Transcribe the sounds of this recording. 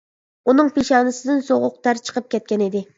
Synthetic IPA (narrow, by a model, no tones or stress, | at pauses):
unɨŋpeʃɑːnɨsɨd̪ɪnsoʁʊq̚t̪æɾt͡ʃʰə̥qʰəp̚kʲɛt̪̚kʲɛnɪd̪ɪ